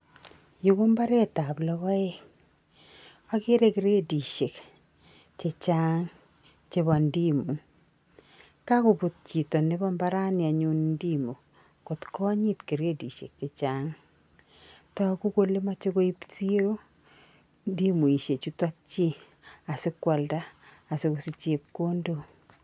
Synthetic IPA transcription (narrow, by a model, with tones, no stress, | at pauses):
ju˨ko˦mba˦ɾe˦ta˨blɔ˨kɔ˦ɛ˦ | a˦kɪ˦ɾe˦ki˨ɾe˦di˨ʃe˨k | t͡ʃe˨t͡ʃa˦ŋ | t͡ʃe˦βɔ˨ndi˦mu˨ | ka˦ko˨bu˨t̚t͡ʃi˨tɔ˨ne˦bɔ˦mba˦ɾa˦nɪ˨a˨ɲu˦nndi˦mo˨ | ko˨tkɔ˦ɲɪ˦tki˨ɾe˦di˨ʃḛ˨k̚t͡ʃe˨t͡ʃa˦ŋ | tɔ˨ku˦ko˦le˦ma˦t͡ʃo˦ko˦i˦pti˦ɾo˦ | ndi˦mu˨i˨ʃe˨t͡ʃu˦ta˦k̚t͡ʃi˦ | a˨sɪ˦kwɔ˨ldaː˦˨ | sɪ˦kʊ˨si˦t͡ʃe˨p̚ko˦ndo˦